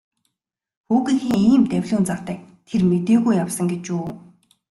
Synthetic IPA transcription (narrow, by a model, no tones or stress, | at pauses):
xuːɣĭŋxiːŋiːmt̪æwʲɮuːnt͡sawt̪æ̆ːk̚ | t̪ʰermet̪eːɣujawsə̆ŋɡet͡ɕuː